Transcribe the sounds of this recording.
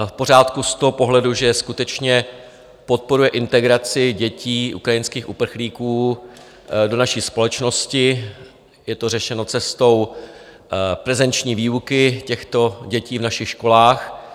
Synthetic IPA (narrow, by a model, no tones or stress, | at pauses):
fpo̞ɾ̝aːt̪kust̪oɦo̞po̞ɦlɛduʒɛskut̪ɛt͡ʃɲɛ | po̞t̪̚po̞ɾujɛʔɪnt̪ɛɡɾat͡sɪɟɛciːʔṵkɾajɪnskiːxʔupr̩xliːkuː | do̞naʃiːspo̞lɛt͡ʃno̞scɪ | jɛt̪o̞rɛʃɛno̞t͡sɛst̪o̞w | pɾɛzɛnt͡ʃɲiːviːukɪcɛxt̪o̞ɟɛciːvnaʃɪxʃko̞laːx